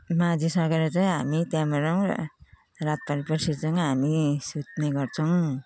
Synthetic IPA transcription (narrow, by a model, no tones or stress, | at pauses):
mad͡zisʌɾkaɾet͡sʌj̃ɦamit̪jamʌɾʌŋ̰ | ɾat̪̚paɾipʌɾsiɾt͡sʰʌŋɦamisut̪neɡʌɾt͡sʰʌŋ